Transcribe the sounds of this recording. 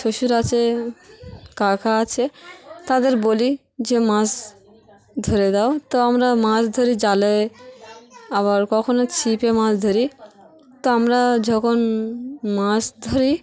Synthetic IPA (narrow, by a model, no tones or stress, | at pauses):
ʃʰoʃuɾat͡ʃʰe | kakʰaːt͡ʃʰet̪ad̪eɾboli | d͡ʒemãs | d̪ʱɔɾed̪aot̪ɔamɾamãsd̪ʱɔɾid͡ʒale | abaɾkɔkʰɔnɔt͡ʃʰipemãsd̪ʱɔɾi | t̪ɔamɾad͡ʒɔkʰonmãsd̪ʱɔɾi